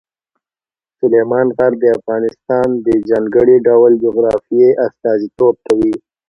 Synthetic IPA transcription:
sʊlemɑnɣaɾd̪əafɣɑnɪst̪ɑnd̪əd͡ʒɑːŋɡəɽiɖawld͡ʒʊɣɾɑfijeʔast̪ɑːzit̪ob̚kʰawi

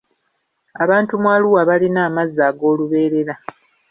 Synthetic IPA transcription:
aβaːntumwaːluwaβalinaːmazːaːɡo̞ːluβe̞ːɾe̞ɾa

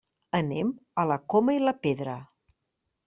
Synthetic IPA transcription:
ənemələkoməiləpeðɾə

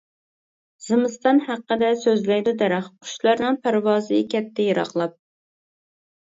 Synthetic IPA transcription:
z̥ɨmɨst̪ɑnhæqːəd̪ɛsøzlæd̪ɛd̪ɛɾæχqʰu̥ʃlˠɑɾnɨŋpʰæɾwɑːzɨkʲʰɛpt̪ʰːɛjeɾɑ̰χlˠɑp̚

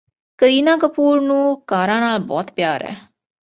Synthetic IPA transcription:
kəɾiːnaːkəpuːɾnũːkaːɾaːnaːlbɔ̰ːt̪pjaːɾɛ̰ː

